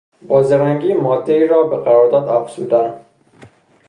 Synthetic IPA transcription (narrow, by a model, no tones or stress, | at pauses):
bɒːzeɾaŋɡimɒːd̪ːeiɾɔːbeqæɾɔɾd̪ɒːd̪afsud̪an